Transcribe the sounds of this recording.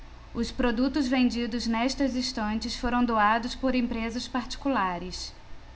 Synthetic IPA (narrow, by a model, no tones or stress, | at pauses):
ʊspɾod̪ut̪ʊzvẽnd͡ʒid̪ʊznɛʃt̪ɐzĩst̪ɐ̃nt͡ʃɪsfoɾɐ̃w̃d̪oad̪ʊspoɾẽmpɾezɐspaɾt͡ʃi̥kulaɾɪs